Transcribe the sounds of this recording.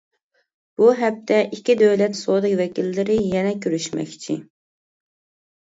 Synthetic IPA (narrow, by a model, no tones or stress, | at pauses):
b̥uɦɛp̚t̪ʰɛʔikʲid̪øwlɛt̪soːd̪ɪkʲvɛkʲilːɪɾɪjɛnɛkʲʰøɾyʃmɛ̰kʲt͡ʃʰḭ